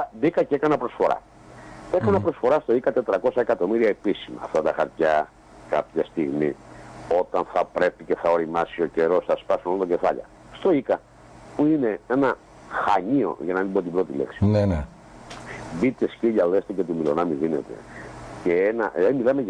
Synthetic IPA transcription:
ðikɐceekɐnɐpɾo̞sfo̞ɾɐ̰ | e̞kɐnɐpɾo̞sfo̞ɾɐst̪o̞ikɐt̪e̞t̪ɾɐko̞sɐekɐt̪o̞miɾiɐepisimɐ̰ːft̪ɐt̪ɐxɐɾt̪çɐ | kɐpçɐst̪iɣmio̞t̪ɐnθɐpɾe̞pice̞θɐo̞ɾimɐsio̞ce̞ɾo̞sθɐspɐsunolot̪oce̞fɐʎɐ̰ | st̪o̞ikɐ | puine̞e̞nɐ | xɐɲio̞̰ʝɐnɐmibot̪ibɾo̞t̪ilḛksi̥nene | bit̪esciʎɐlest̪ece̞t̪umilo̞̰nɐmiðine̞̰t̪e̞̰ceenɐʔimilɐme

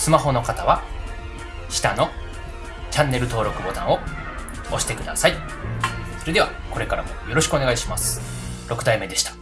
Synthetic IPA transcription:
sɨmaɦo̞no̞kat̪aβa | ɕi̥t̪ano̞ | t͡ɕãnːe̞ɾɯ̟t̪o̞ːɾo̞kɯ̟bo̞t̪ãɰ̃o̞ | oɕi̥t̪e̞kɯ̟d̪asai | so̞ɾe̞d̪e̞βa | ko̞ɾe̞kaɾamojo̞ɾo̞ɕi̥kɯo̞ne̞ɡaiɕimasɨ̥ | ɾo̞kɯ̟d̪aime̞d̪e̞ɕi̥t̪ḁ

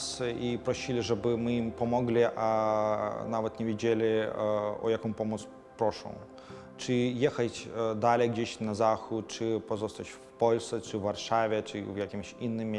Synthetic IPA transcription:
sipɾɔɕilʲiʐɛbɨmɨimpɔmɔɡlʲiʔa | navɛt̪nʲɛvʲed͡ʑelʲi | ɔ̰jakɔ̃mpɔmɔt̪s | pɾɔʂɔ̰̃w̃ | t͡ʂɨjɛxat͡ɕʲd̪alʲɛjɡd͡ʑeɕnazaxut̪̚t͡ʂɨpɔzɔst̪at͡ɕfpɔlʲsɛt͡ʂɨvːarʂavʲɛt͡ʂɨ̰vjakʲimʲɕinːɨmʲ

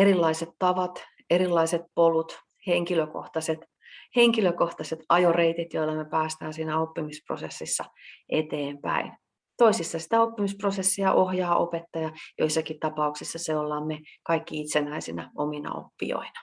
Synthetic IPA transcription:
erilːɑiset̪t̪ɑʋɑt̪ | erilːɑiset̪̚polut̪ | heŋkiløko̰ht̪ɑset̪ | heŋkiløkoht̪ɑset̪ɑjoreit̪it̪joilːɑmepæːst̪æːnsiːnæopːimispro̰sesːisːɑʔet̪eːmpæ̰in | t̪oisisːɑsi̥t̪æopːimisprosesːiɑʔohjɑːʔopet̪ːɑjɑjo̰isːɑkitt̪ɑpɑuksisːɑseolːɑːmmekɑikːiit̪senæisinæ̰ominɑ̰o̰pːḭo̰inɑ̥

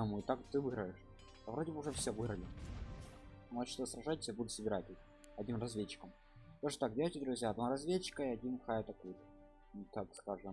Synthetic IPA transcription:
muɪt̪akt̪ɨvɨɣɾəjɪʂ | ɐvɾo̞dʲɪbəʊʐɛfsʲevɨɣɾəlʲɪ | mot͡ɕt̪sɾɐʐatʲɪ̥sʲjabud̪ʊsəbʲɪɾatʲɪ | ɐdʲnʲimrɐzvʲet͡ɕːɪ̥kəm | t̪oʐɨt̪ak̚dʲelʲˠətʲɪd̪ɾʊzʲjaːd̪naɾɐzvʲet͡ɕːɪ̥kəiɐdʲinxajət̪ɐkujt̪ | t̪akskaʐɨm

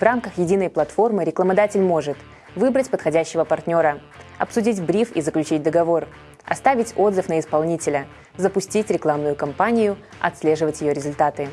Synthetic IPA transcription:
vramkəxjɪdʲinəjplˠɐt̪fo̞rmɨɾʲɪklˠəmɐd̪atʲɪlʲmo̞ʐɨt̪ | vɨbɾətʲpət̪xɐdʲæɕːɪvəpɐrtʲnʲo̞ɾə | ɐ̰psʊdʲitʲbɾʲifizəklʲʉt͡ɕitʲd̪əɡɐvo̞r | ɐ̰st̪avʲɪtʲo̞d̪zɨfnəɪspɐlˠnʲitʲɪlʲə | zəpʊsʲtʲitʲɾʲɪklˠamnʊjʊkɐmpanʲɪjʊ | ɐ̰t̪slʲeʐɨvətʲjɪjoɾʲɪzʊlʲt̪at̪ɨ

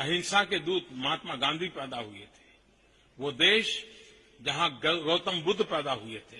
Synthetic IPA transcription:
ɐɦɪnsaked̪uːd̪maːt̪maɡãːnd̪ʱipɛːd̪aɦuet̪ʰe̥ | ʋod̪eːʃ | d͡ʒɐɦãɾoːt̪əmbʊd̪ʱpɛːd̪aɦuet̪ʰeː

